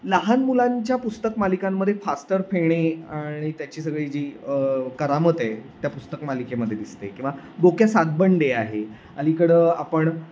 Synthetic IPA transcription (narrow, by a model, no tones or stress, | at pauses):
laɦanmulãɲt͡ɕjapust̪əkmalikamːəd̪ʱjefasʈəɾfeɽ̃eaɽ̃it̪jat͡ɕiːsəɡɭid͡ʑiːəkəɾamət̪et̪japust̪əkmalikeməd̪ʱjed̪ist̪ḛkĩw̃ʋa | bokjasaɡ̪̚bəɳɖeaɦe | a̰likəɽəapəɳ